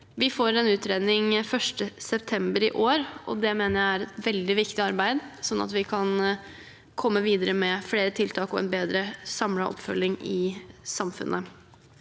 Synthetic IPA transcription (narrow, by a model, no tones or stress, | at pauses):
ʋɪfoːɾɛnʉːt̪ɾeːd̪nɪŋfœʂʈəsɛpt̪ʰɛmbəɾɪ̰ʔoːɾʔɔ̰d̪ɛmeːnəɾjæɪæɾɛt̪ʋɛld̪ɪʋɪkt̪ɪɑɾbæɪd̪sɔnːʔɑ̰t̪ʋɪkʰɑn | kʰɔmːəʋiːd̪əɾəmɛfɽeːɾət̪ʰɪlt̪ʰɑːkɔɛ̰nbeːd̪ɾəsɑmlɑʔɔ̰pfœlɪŋɪsɑmfʉ̰nʔə